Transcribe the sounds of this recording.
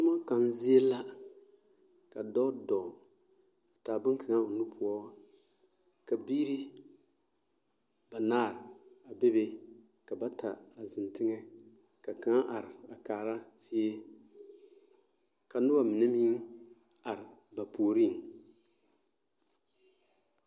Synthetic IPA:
ʊ˦ma˦ka˨n˦zi˦ɛ˦la˦ | ka˨dɔ˦dɔ˨ | a˨taː˨bɨ˦ŋ˦kʰɪ˨ŋa˦ʊ˨nu˦pʰu˦ɔ˦ | ka˨biː˦ɾi˦ | ba˨naː˦˨ɾɪ˨a˨be˦be˦ | ka˨ba˦tʰa˨a˨zɨ˨n˨tɪ˦ŋɛ˦ | ka˨ka˨˦a˦ʔa˨ɾɪ˨a˨kaː˨ɾa˦si˦e˦ | ka˨nʊ˦ba˦mɪ˨nɛ˦mi˦ŋ | a˨ɾɪ˨ba˨poː˨ɾi˦˨ŋ

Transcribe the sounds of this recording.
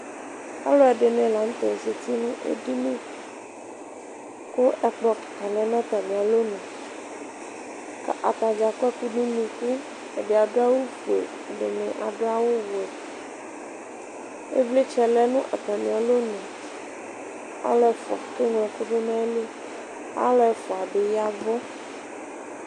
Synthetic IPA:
a̰˦lɔ˦ɛ˨ɖe˨nɛ̃˨la˨ŋ̩̃˦t̪ɔ˨e˨se˨t̪i˦nũ˦ʔḛ˦ɖi˦nẽ˦ | ko˦ʔɛ˨k͡pɔ˨kt̪a˨lɛ˨˦nã˦˨t̪a˨mĩ˨a˨lo˦nɛ̃˨ | ka˨ʔa̰˨t̪a˨d͡ʒa˨kɛ˦ku˦ɖũ˦nĩ˨ku˦ | e˨ɖe˨a˨ɖo˦a˦wo˦ɸḛ˨ | a˨ɖe˨nɛ̃˨ʔa̰˨ɖo˦a˦wo˦wo˨ɛ˨ | ḛ˦vle˦t͡ʃɛ˨lɛ˨nũ˦ʔa˨t̪a˨mĩ˨a˨lo˦nɛ̃˨ | a̰˨˦lɔ˦ɛ˨fɔ̰˨a˨ke˦ŋlɛ̃˨ku˦ɖo˦nã˦le˦ | a̰˦lɔ˦ɛ˨fɔ˨a˨be˨ja˦vɔ˦

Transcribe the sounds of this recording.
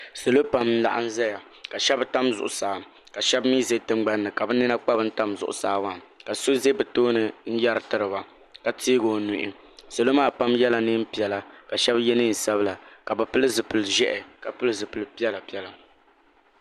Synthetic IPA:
so˨lo˦pa˨˦mn̩˦la̰˨ʔa̰˦n̩˦zɛ˦ja˨ | ka˨ʃɛ˦bta˦mzʊ̰˨ʔʊ˨saː˨˦˨ | ka˨ʃɛ˦bmiː˦ze˦tɨ˦ŋ͡mɡ͡ba˦nːɨ˨ka˨bɨ˦nɨ˦na˦k͡pa˦bɨ˦n̩˦ta˦mzʊ˨ʔʊ̰˨saː˨˦wa˦˨ka˨so˦ze˦bɛ˨toː˦nɨ˨n̩˦ja˦ɾɨ˨tɨ˨ɾɨ˨ba˨ | ka˨tʰiː˦ɡo˨nu˨ʔɪ˦ | so˨lo˦maː˦˨pa˦mjɛ˦la˨nɨ˦m̩˦pi˨ɛ˨la˨ka˨ʃɛ˦bjɛ˦nɨ˦˨n̩˨sa˦bɨ˦la˨ka˨bɨ˨pɨ˦lɨ˦zɨ˨pɨ˨lɨ˨ʒɛ˦ʔɛ˨ka˨pɨ˦lɨ˦zɨ˨pɨ˨lɨ˨pi˦ɛ˦la˨pi˦ɛ˦la˨

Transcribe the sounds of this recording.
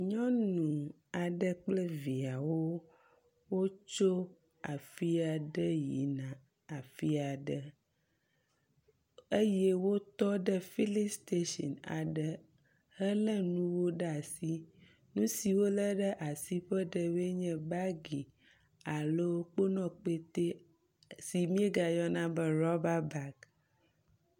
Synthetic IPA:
ɲɔ̃˦nũ˨ | a˨ɖə˦k͡plə˦vi˨a˨wo˦ | wo˦t͡ʃo˦ | a˨fi˦a˨ɖə˦ji˨nã˨ | a˨fi˦a˨ɖə˨ | e˦jɛ˦wo˦t̪ɔ˦ɖə˦fi˦li˦st̪e˦ʃɔ̰˨na̰˨ɖə˦ | hə˦lə˦nũ˦wo˦ɖa˨si˦ | nũ˦si˨wo˦lə˦ɖə˦ʔa˨si˦ɸə˦ɖə˨be˦ɲɛ̃˨ba˦ɡi˨ | a˨lo˦wo˦k͡po˦nɔ̃˨k͡pe˦t̪e˦ | si˨mĩ˦e˦ɡa˨jɔ˦nã˦bə˦ɾɔ˦ba˦ba˦k

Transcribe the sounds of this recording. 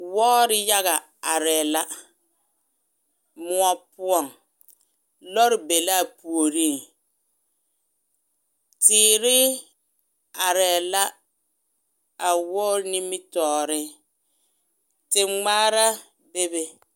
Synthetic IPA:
wɔ˦ɾɪ˦ja˦ɣa˨ | a˨ɾɛ˨la˦ | mʊ˦ɔ˦pʊ˦ɔ˨ŋ | lɔ˦ɾɪ˨be˨la˦˨pu˨o˨ɾi˦˨ŋ | tɪː˨˦˨ɾɪ˦ | a˨ɾɛ˨la˦ | a˨wɔː˦ɾni˦mɪ˦tɔː˨ɾɪ˦ | tɪ˨ŋ͡maː˦ɾa˦ | be˦be˦

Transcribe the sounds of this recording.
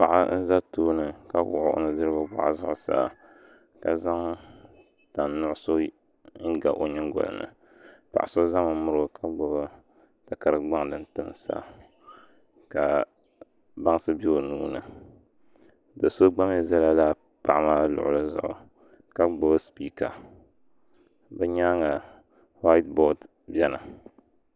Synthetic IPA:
pa˨ʔa̰˦n̩˦za˦toː˦nɨ˨ka˦bʊ˦˨ʔʊ̰˨˦ʔo̰˦nɨ˨dɨ˦ɾɨ˦ba˦ba̰˦˨ʔa˨zʊ˦ʔʊ˨sa̰ː˨ | ka˨za˦ŋ | ta˨nːʊ˦ʔʊ˦so˦ | ɪ˦ɡa̰˨ʔo˨ɲɨ˦ɡo̰˨lɨ̰˨nɨ̰˨ | pa̰˨ʔa˨so˦za˦mɨ˨˦mʊ˦ɾka˦ɡ͡bo˨ba˦ | ta˨ka˨ɾɨ˨ɡ͡ba˦ŋ˨dɨ˨n̩˦tɨ˦msa̰ː˦ | ka˨ | ba˦ŋ˦sɨ˦bi˦o˨nuː˦nɨ˨ | dɨ˨so˦ɡ͡ba˦m˦e˨za˦la˦laː˦ | pa˨ʔmaː˦lʊ̰˨ʔʊ˨lɨ˦zʊ̰˨ʔʊ̰˨ | ka˦ɡ͡bo˨bɨ˦spiː˦ka˨ | bɛ˦ɲaː˦ŋa˨ | wa˦jtbɔ˦t | bɛ˦na̰˨

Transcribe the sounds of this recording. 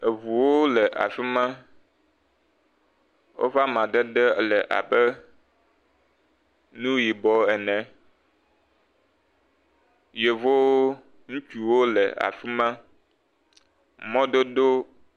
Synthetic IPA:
e˨vu˨wo˦lɛ˨ʔa̰˨fi˦mã˦ | wʔo̰˦va˦mã˨ɖɛ˦ɖɛ˦lɛ˨ʔa̰˨bɛ˦ | nũ˦ji˨bɔ˦ɛ˨nɛ̃˨ | je˨vo˦ | ŋũ˦t͡ʃi˨wo˦lɛ̰˨a̰˨fi˦mã˦ | mɔ̃˦d̪o˦d̪o˦

